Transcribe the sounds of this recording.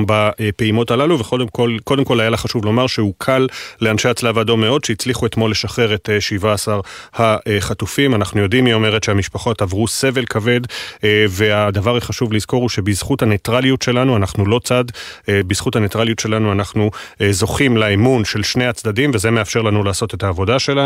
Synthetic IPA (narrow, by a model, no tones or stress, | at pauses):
bapeimo̞talaluveko̞demkolko̞de̞mko̞lajalaχaʃuvlo̞maʁʃeukʰalːeanʃe̞jat͡slavado̞me̞o̞d̪ʃeit͡sliχue̞t̪mo̞lːe̞ʃaχe̞ʁe̞tʃivaːsaʁhaeχatufimanaχnujo̞dimio̞me̞ʁetʃeamiʃpaχo̞tavʁuse̞ve̞lkʰave̞dve̞adavaʁiχaʃuvlizko̞ʁuʃe̞bizχuthanetʁaliutʃe̞lanuanaχnulo̞t͡sadbiz̥χuthanetʁalijutʃe̞lanuanaχnuzo̞χimlaimunʃe̞lʃnejat͡sd̪adimveze̞meafʃe̞ʁlanulaːso̞te̞thaːvo̞daʃela